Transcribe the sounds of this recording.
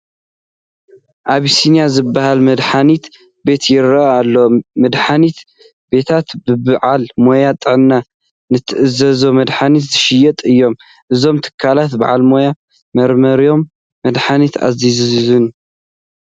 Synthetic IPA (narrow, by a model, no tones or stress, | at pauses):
ʔaβisinjazɨbːahalmɨd̪ħanit̪ | be̞t̪jɪɾɐalːomɨd̪ħanit̪ | be̞t̪ʰat̪bɨbɨʕalmo̞jat̪ʼɨʕɨnːa | nɨt̪ʰɨʔɨzɐzomɐd̪ħanit̪zɨʃɪjɛt̪ʼɨjːo̞m | ʔɨzo̞mt̪ʰɨ̥kʰːalat̪ba̰ʕa̰lmo̞ja | mɐɾmɐɾijo̞mː | ɐd̪ħanit̪a̰zizzzɨn